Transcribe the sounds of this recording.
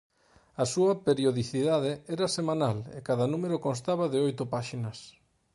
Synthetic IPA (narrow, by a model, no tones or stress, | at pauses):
ɐsuɐpeɾjoðiθiðað̞eɛɾɐsemãnalḛkaðɐnũmeɾokonst̪aβɐðɪojt̪ʊpaʃinɐs